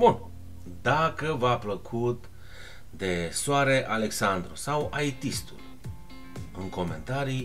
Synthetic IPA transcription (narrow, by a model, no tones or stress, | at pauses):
bun | d̪akəvapləkʰut̪ | d̪e̞soaɾe̞ʔale̞ksand̪ɾusawajt̪ist̪ṵl | ɨŋko̞me̞̰nt̪aɾi